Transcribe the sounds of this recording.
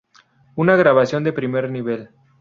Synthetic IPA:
unaɣɾaβasjo̞nd̪e̞pɾimeɾniβe̞l

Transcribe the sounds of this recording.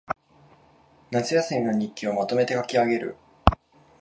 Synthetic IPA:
nat͡sɨjasɨmʲino̞ɲ̟ikʲiomat̪o̞me̞t̪e̞kakʲiaɡe̞ɾɯ̟̰

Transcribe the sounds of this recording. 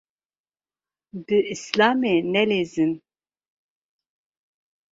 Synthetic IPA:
d̪ɨislaːmenɛlezɨn

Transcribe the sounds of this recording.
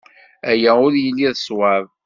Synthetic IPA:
æjæʊɾjəlːiðəswað

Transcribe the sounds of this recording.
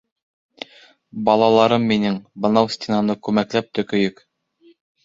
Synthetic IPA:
bɑlˠɑlˠɑɾɤmːinɘŋbɤ̆nɑwsʲt̪ʲɪnɑnɤkʉmæklæp̚t̪ɵ̆kɵ̆jɵk

